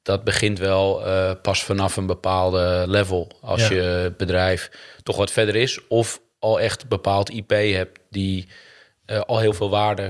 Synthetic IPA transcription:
d̥ɔt̚bəχɪntʋɛlˠpasfanafənbəpaːlˠdəlɛvəlˠɑ̰sjəbədrɛjftɔxʋɔtfɛdəɾɪsɔf | ɔlˠɛxtbəpaːlˠtʰipeːɦɛp̚tdi | ʔɔlˠɦɪːlˠfɪːlˠʋaːdə

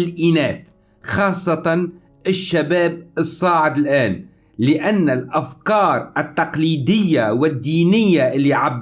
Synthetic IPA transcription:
lʔiːnaːθ | xɑːsˤːɑt̪ɑn | ʔɪʃːabaːb̚ɨsˤːɑːʕɪd̪ɪlʔaːn | lɪʔanːalʔafkɑːɾˤʔɪt̪ːɑqliːd̪ɪjːawɪd̪ːiːnɪjːaʔɪlːiʕab

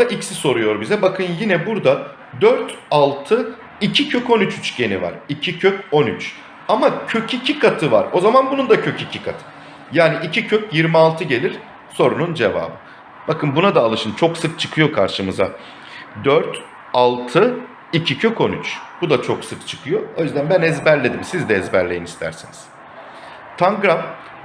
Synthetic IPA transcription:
aʔicsiso̞ɾujo̞ɾbizɛbakʰɯnjinɛbuɾd̪a | d̪øɾt̪alˠt̪ʰɯ | icʰicʰøko̞nyt͡ʃyt͡ʃɟe̞niva̰ɾicʰicʰøco̞nyt͡ʃ | amacʰøcʰicʰikʰat̪ʰɯva̰ɾo̞zamanbunund̪acʰøcicʰikʰat̪ʰɯ̥ | jaːniʔicʰicʰøcjiɾmialˠt̪ʰɯɟe̞lʲiɾ̥ | so̞ɾunund͡ʒe̞va̰ːbɯ | b̥akʰɯnbunad̪aːlˠɯʃɯnt͡ʃʰo̞ksɯk̚t͡ʃʰɯ̥kʰɯjo̞kʰaɾʃɯmɯza | d̪øɾt̪ | alˠt̪ʰɯ | icʰicʰøco̞nyt͡ʃb̥ud̪at͡ʃʰoksɯkt͡ʃʰɯ̥kʰɯjo̞o̞jyzd̪ænbænɛzbæɾlʲe̞d̪imsizd̪ɛɛzbæɾlʲejinist̪ʰæ̰ɾsiniz̥ | t̪ʰaŋɡɾam

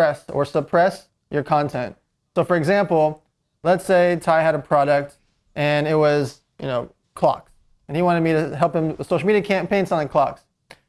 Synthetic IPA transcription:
ɛsə̰˞səpʰɹ̥ɛs | jʔə˞kʰɑ̃ntʰɛ̃nt | soʊfə˞ɨɡzæ̃mpl̩ˠ | lətseɪtʰaɪɨɾɨpʰɹ̥ɑɾɨk̚t | ʔɨ̃nɪt̚wʌz | jɨ̰noʊ | kʰl̥ɑ̰ks | ɨ̃niwɑ̃ɾ̃ɨd̚miɾɨɦɛlˠphɨ̃msoʊʃl̩miɾiɨkʰæ̃mpʰẽɪ̃nsɛ̃nɨkʰl̥ɑks

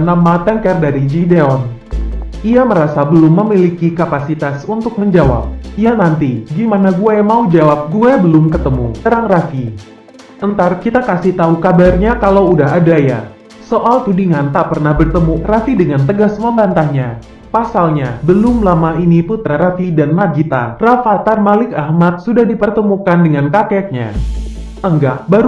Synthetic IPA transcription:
namat̪ɛŋkɛrdaɾid͡ʒideɔn | ʔiaməɾasabəlʊmːəmilikikapasit̪asunt̪ʊk̚məɲd͡ʒawa̰p̚ijanant̪iɡimanaɡuɛmaud͡ʒawap̚ɡuɛbəlʊmkət̪əmut̪əɾaŋrafi | ʔənt̪arkit̪akasiht̪aukabarɲakalaudaɦadaja̰ | soʔalt̪udiŋant̪apərnahbərt̪əmurafidəŋant̪əɡasməmbant̪ahɲa | pasalɲabəlʊmlamainiput̪ɾaɾafidanmaɡit̪a̰rafat̪armalɪkahmat̪̚sudahdipərt̪əmukandəŋankakɛk̚ɲa̰ | əŋɡaʔbaɾu

